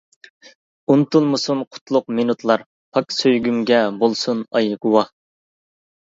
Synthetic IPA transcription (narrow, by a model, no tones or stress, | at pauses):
unt̪ulˠmusunqʰʊ̥t̪ʰlˠʊq̚minut̪ʰlˠɑɾ | pʰɑksøjɡʲymɡʲɛbolˠsunɑ̰jɨɡuwɑ